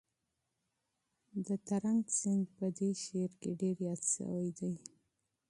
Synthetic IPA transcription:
d̪ət̪aɾaŋɡt͡sɪŋɡpəd̪eʃeɾkeɖeɾjɑt̪ʃə̰wajd̪aj

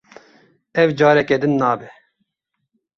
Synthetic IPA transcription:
ɛvd͡ʒɑːɾɛkɛd̪ɨnːaːbɛ

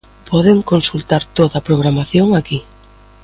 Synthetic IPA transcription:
pʰɔð̞eŋkonsult̪aɾt̪oðapɾoɣ̞ɾamaθjoŋaki

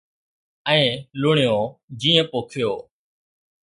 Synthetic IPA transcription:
ə̃ːlʊɳɪjõːd͡ʒiːə̃poːkʰɪjoː

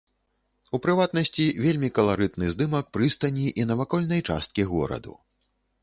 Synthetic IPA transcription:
upɾɨvat̪nɐsʲt͡sʲivʲelʲmʲikɐlˠaɾɨt̪nɨzd̪ɨmɐk̚pɾɨst̪ɐnʲiʔinɐvakɔlʲnɐjt͡ʂa̰st̪̚kʲiɣɔ̰ɾɐ̰d̪ṵ

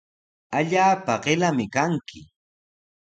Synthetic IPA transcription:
aʎaːpaɢelamɪkaŋkʰɪ

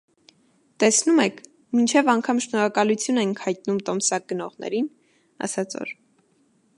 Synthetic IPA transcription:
t̪ɛsnumɛkʰ | mint͡ʃʰɛvɑŋkʰɑmʃnɔɾɑkɑlut͡sʰjunɛŋkʰhɑjt̪̚numt̪ɔmsɑk̚ɡənɔʁnɛ̰ɾin | ɑ̰sɑt͡sʰɔ̰ɾ

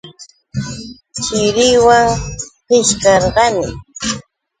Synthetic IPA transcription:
t͡ʃɪɾɪjwaŋqɪʃkɑɾɢɑnɪ̰

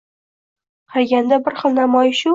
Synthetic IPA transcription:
qʰalɡʲand̪abɪɾχɨlˠnamɒjɪʃʊ

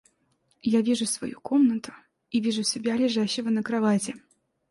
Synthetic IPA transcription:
javʲiʐʊsva̰jukɔmnət̪ʊ̥ | ivʲiʐusʲɪbʲalʲɪʐaɕːɪvənɐkɾavat͡sʲɪ

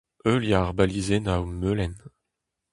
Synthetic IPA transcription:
øljaʁbalizenawmøːlɛn

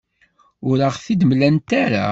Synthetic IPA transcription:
ʊɾəʁθid̪mlænt̪aɾa̰

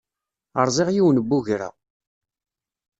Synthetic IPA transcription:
əɾˤzˤɪʁjiwnəbːuʝɾa̰

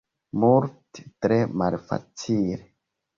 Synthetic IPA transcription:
multe̥tɾemalfa̰t͡sile

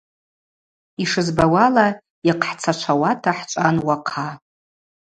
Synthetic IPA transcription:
iʂɨzbawala | iqʰħt͡sʰat͡ʃʷʰawatʰaħt͡ʃʷʼanwaqʰa

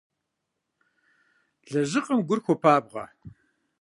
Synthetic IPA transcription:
ɮɐʒɨqʼɐmɡʷʊrxʷɔpʰaːbʁɐ̰

